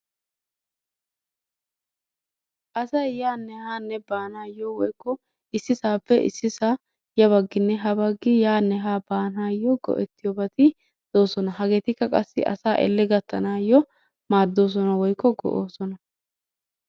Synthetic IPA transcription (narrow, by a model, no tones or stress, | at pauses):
ʔɐsɐjjaːnːɛhaːnːɛbaːnaːjːɔwɔjkːɔ | ɪsːɪsaːpːɛʔɪ̰sːɪsa | jɐβɐɡːɪnːɛɦɐbɐɡːɪjaːnːɛɦaːbaːnaːjːɔɡɔ̰ʔɛt̪ːɪjɔbɐt̪ɪ | d̪̥o̞ːsɔnɐɦɐɡeːt̪ɪkːɐkʼɐsːɪ̰ʔɐ̰saːʔɛ̰lːɛɡɐt̪ːɐnaːjːɔ | maːd̪ːo̞ːs̬ɔnɐwɔjkːɔɡɔ̰ʔoːsɔnɐ